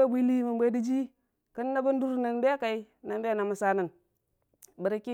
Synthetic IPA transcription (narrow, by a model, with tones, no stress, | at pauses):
a˦bʷi˦li˦ma˨mbʷe˦di˦d͡ʒi˦ | kə˦nː˦a˦ɡu˦n˦du˦ɾu˦na˨n˦da˦a˦ka˨i˦ | na˨n˦da˦a˦˨na˨mə˨sa˦nə˨n | bə˨ɾa˨˦ki˦